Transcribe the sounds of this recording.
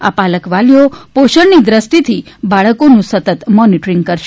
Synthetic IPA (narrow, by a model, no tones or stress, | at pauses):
a̰paləkʋalijopoʃəɾnid̪ɾəsʈit̪ʰibaɭəkonũsət̪ət̪mɔniʈɾiŋɡ̚kəɾʃe